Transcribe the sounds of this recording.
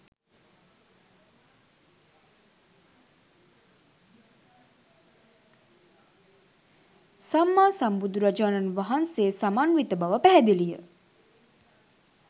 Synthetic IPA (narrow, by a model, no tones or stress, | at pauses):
samːaːsambud̪uɾad͡ʒaːnanʋaɦanseːsamaːnʋit̪əbaʋəpæɦɛd̪ilijə̰